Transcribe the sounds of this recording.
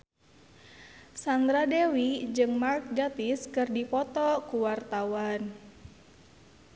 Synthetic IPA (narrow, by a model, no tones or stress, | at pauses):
sand̪ɾadewid͡ʒɨŋmark̚ɡat̪iskɨrdipɔt̪ɔkuwart̪awan